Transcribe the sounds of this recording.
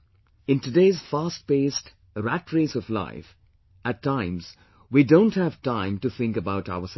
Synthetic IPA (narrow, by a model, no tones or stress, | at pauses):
ɨ̃ntɨdeːz̥fast̚b̥eːst | ɾætʰɹesɔvla̰ɪf | ɨtʰːãɪ̃mz̥ | widõʊ̃nthɨv̥tãɪ̃mtɨθɪ̃ŋkəbaʊta̰ʊəs